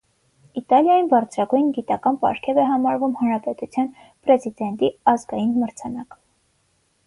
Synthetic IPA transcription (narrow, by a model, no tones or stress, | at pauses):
it̪ɑljɑjinbɑɾt͡sʰɾɑɡujnɡit̪ɑkɑnpɑ̰ɾkʰɛvɛɦɑmɑɾvumhɑnɾɑpɛt̪ut͡sʰjɑn | pɾɛzid̪ɛnt̪iɑzɡɑjinməɾt͡sʰɑnɑk